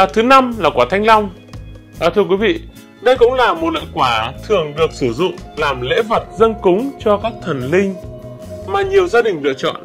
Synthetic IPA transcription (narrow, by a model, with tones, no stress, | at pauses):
t̪ʰɨ˨˦na˧mlaː˨˩kwaː˧˩t̪ʰa˧jŋ̟la˧wŋ͡m | ʔəː˨˩t̪ʰɨ˧əkwi˨˦vḭ˧˨ | ɗə˧jkʊ̰˧˥ŋ͡mlaː˨˩mo˨˩t̚lə̰ː˧˨jkwaː˧˩t̪ʰɨ˨˩əŋɗɨ˨˩ək̚sɨ˧˩zʊ̰˧˨ŋ͡mlaː˨˩mlḛ˧˥və˨˩t̚zə˧nkʊ˨˦ŋ͡mt͡ɕɔ˧kaː˦˥k̚t̪ʰə˨˩nlï˧ŋ̟ | maː˨˧˩ɲi˨˩əwzaː˧ɗï˨˩ŋ̟lɨ̰˧˨ək̚t͡ɕɔ̰˧˨n